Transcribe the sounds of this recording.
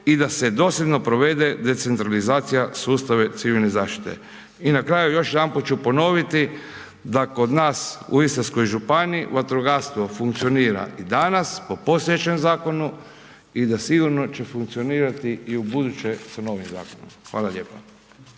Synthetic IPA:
id̪ase̞d̪o̞sjed̪no̞pɾoʋe̞d̪e̞d̪e̞t̪se̞nt̪ɾalizaːt̪sijasuːst̪aʋe̞t̪siʋilne̞zaːʃt̪i̥t̪e̞̰ | inakɾaːjujo̞ʃjd̪ampot͡ʃupo̞no̞ʋit̪i | d̪ako̞d̪naːsṵist̪asko̞jʒupaniiʋat̪ɾoɡast̪ʋofuŋkt̪sio̞niːɾa̰ʔid̪anaspo̞po̞st̪ojet͡ɕe̞mzaːko̞nu | id̪asiɡuɾno̞t͡ʃe̞fuŋkt̪sio̞niːɾat̪iiubud̪ut͡ʃesano̞ʋimza̰ːkono̰mxʋa̰ːlaʎe̞ːpa

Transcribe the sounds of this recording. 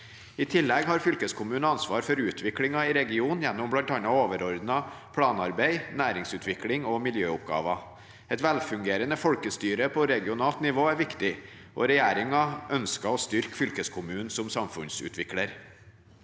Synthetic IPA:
ɪt̪ʰɪlːɛɡhɑɾfʏlkəskʰʊmʉːnəɑnsʋɑːɾfɔɾʉːt̪ʰʋɪklɪŋɑɪɾɛɡɪuːnjɛnːʊmblɑnt̪ɑnɑoːʋəɾɔɾd̪nɑ | pʰlɑːnɑɾbæɪnæːɾɪŋsʉːt̪ʰʋɪklɪŋɔmɪljøːʊp̚ɡɑ̰ːʋɑ | ɛt̪ʋælfʉŋɡeːɾənəfɔlkəst̪yːɾəpʰɔɾɛɡɪʊnɑːlt̪nɪʋoːæɾʋɪkt̪ɪ | ʔɔ̰ɾɛjæːɾɪŋɑʔœnskɑɔst̪ʏɾkfʏlkəskʰʊmʉːn̩sɔmsɑmfʉnsʉ̰ːt̪ʰʋɪkləɾ

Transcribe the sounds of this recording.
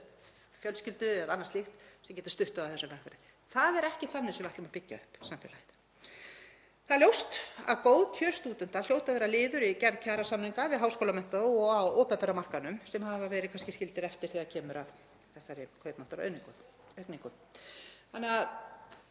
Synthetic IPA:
fjœlscʏlt̪ʏɛðanːast̪lixt̪sɛmcɛːt̪ɪ̥st̪ʏht̪ʏavwθɛsːavɛhkvɛɾɪ | θaðɛɾɛhcɪθanːɪsɛmaht̪lʏmapɪcːaʏhpsamfɛ̰lajð | θaðljowst̪a̰ðkoːwðcʰœ̥st̪uːt̪ʏn̥t̪aljowt̪avɛːɾalɪːðʏɾicɛɾðcʰaːɾasaniŋkavɪðɦawskowlamɛnt̪aðɔawɔːpɛp̪ɛɾamar̥kanʏmsɛmhavavɛːɾɪkʰanscɪscɪlt̪ɪɾɛft̪ɪɾ̥θiːðacʰɛːmʏɾað | θɛsːaɾɪkʰœːɥpnan̥t̪aɾœniŋk | œkniŋkʏn | hanːɛɣað

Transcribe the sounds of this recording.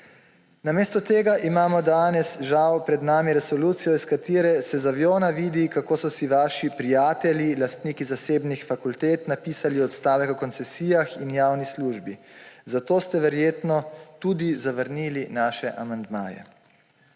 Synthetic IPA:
nameːst̪ɔt̪eːɡaʔimaːmɔd̪aːnɛsʒawpɾɛd̪naːmiɾɛsɔluːt̪sijɔiskat̪iːɾɛsɛzaʋjoːnaʋiːd̪ikakoːsɔsiʋaːʃipɾijaːt̪ɛlilast̪niːkizaseːbnixfakult̪eːt̪napiːsaliɔt̪st̪aːʋɛkɔkɔnt̪sɛsiːjaxinjaːwnisluːʒbizat̪oːst̪ɛʋɛɾjeːt̪nɔt̪uːd̪izaʋəɾniːlinaːʃɛʔamand̪ma̰ːjɛ̰

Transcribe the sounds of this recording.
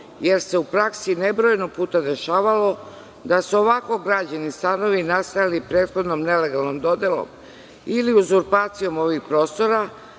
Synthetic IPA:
je̞ɾse̞upɾaksinebɾo̞jnopuːt̪ad̪e̞ʃaːʋalo̞ | d̪asuoʋako̞ɡɾad͡ʑanist̪ano̞ʋinast̪ajalipɾeːt̪xo̞d̪nomne̞le̞ɡalˠnomd̪o̞d̪e̞lo̰m | iliuzuɾpaːt̪sijo̞mo̞ʋixpɾo̞ːst̪o̞ɾa

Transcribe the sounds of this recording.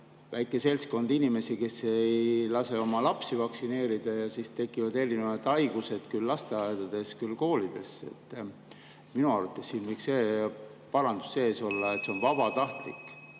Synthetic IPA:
væjkːˑe̞se̞lʲsko̞nd̪inime̞sike̞sejjlɑse̞o̞mɑlɑpsivɑksine̞ːɾid̪̥ɑjɑsist̪e̞kːˑivɑd̪e̞rineɑd̪̥ɑjɡ̥use̞d̪̥kylːɑst̪e̞ɑjd̪ɑd̪̥e̞skylko̞ːlid̪̥e̞se̞̰t̪ˑː | minuɑrɑt̪ːˑessiːnvɤjkse | pɑɾɑnd̪̥u̥sːe̞ːso̞lːɑet̪se̞o̞nvɑb̥ɑt̪ɑht̪lḭkːˑ

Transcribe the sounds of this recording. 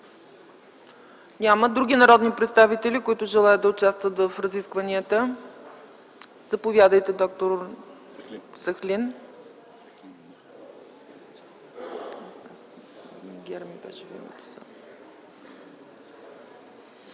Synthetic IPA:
nʲaməd̪ɾuɡinɐɾɔd̪nipɾɛt̪st̪avit̪ɛlikʊit̪ʊʒɛlˠajəd̪d̪ɐʊt͡ʃast̪vət̪vəfɾɐziskvəniət̪ə | zɐpovʲjad̪əjt̪ɛd̪ɔk̚t̪oɾ | səxlʲin | miɡʲɛɾmibɛ̰ʃɛvḭnə̰t̪ʊ̥sa̰

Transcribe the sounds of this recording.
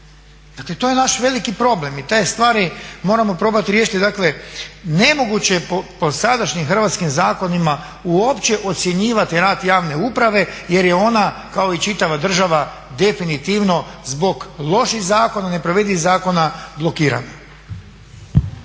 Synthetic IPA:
d̪akle̞t̪ojenaʃʋe̞likipɾo̞ble̞mit̪aːjst̪ʋaːɾimo̞ːɾamo̞pɾo̞ːbat̪iɾjeːʃit̪id̪akle̞ne̞mo̞ɡut͡ɕe̞popo̞sad̪aʃɲimxr̩ʋat̪skimzaːko̞nima | uopt͡ɕe̞ʔo̞t̪sʲje̞ɲiːʋat̪iɾaːd̪jaːʋne̞upɾaʋe̞je̞ɾje̞o̞nakao̞it͡ʃit̪aʋad̪r̩ʒaʋa | d̪e̞finit̪iʋno̞zbo̞ɡlˠo̞ʃixzaːko̞nane̞pɾoʋed̪izaːko̞nablˠo̞kiːɾa̰no

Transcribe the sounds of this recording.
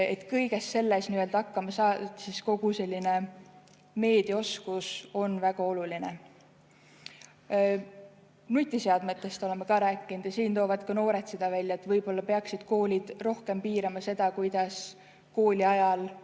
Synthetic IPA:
e̞t̪ːˑkɤjɡ̥e̞sːe̞lːesniø̞lt̪ɑkːɑmɑsɑːsisko̞ɡ̥use̞lʲːine̞ | me̞ːd̪̥io̞skuso̞nvæɡ̥ɑo̞luline̞ | nut̪ʲːˑiseɑd̪met̪ːˑe̞st̪o̞le̞mekɑɾæːkːˑinud̪̥jɑsiːnt̪o̞ːvɑd̪kɑno̞ːɾe̞t̪se̞d̪̥ɑvælʲjɑet̪vɤjb̥o̞lːɑpe̞ɑksid̪̥ko̞ːlʲid̪̥ro̞hke̞mpiːɾɑmɑse̞d̪̥ɑkujd̪̥ɑs | ko̞ːlʲiɑjɑl

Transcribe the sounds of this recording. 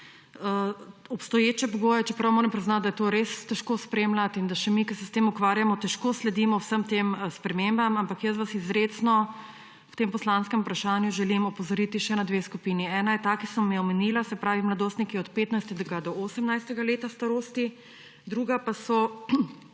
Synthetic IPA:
əɔpst̪ɔjeːt͡ʃɛpɔɡoːjɛt͡ʃɛpɾawmoːɾɛmpɾiznat̪̚d̪ɐjɛt̪oːɾest̪ɛʃkoːspɾeːmlat̪ind̪aʃɛmikɐsɛst̪eːmukʋaːɾjamɔt̪ɛʃkoːslɛd̪imɔwsəmt̪emspɾɛmembamampakjəs̬ʋasizɾesnɔ | wt̪empɔslanskɛmupɾaʃanjuʒɛlimɔpɔzɔɾit̪iʃɛnad̪ʋeskupiːniɛːnajɛt̪akisɐmːɛjɛɔmɛniːlasɛpɾaːʋimlad̪oːst̪nikiɛɔt̪peːt̪najst̪ɛd̪ɛɡad̪ɔosɛmnajst̪ɛɡaleːt̪ast̪aɾoːst̪i | d̪ɾuɡapasɔ

